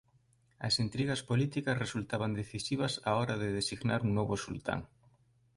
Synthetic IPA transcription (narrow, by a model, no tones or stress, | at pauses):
ɐ̰sint̪ɾiɣɐspolit̪ikɐsresult̪aβand̪eθisiβ̞ɐsaɔɾaðeðesiɣnaɾuŋnoβʊsṵlt̪a̰ŋ